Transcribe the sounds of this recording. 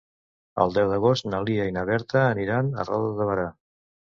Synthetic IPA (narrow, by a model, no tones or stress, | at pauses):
ə̰lˠd̪ɛwðəɣ̞ost̪nəliəjnəβɛɾt̪əːniɾanə̰rɔ̰ðəðəβ̞əɾa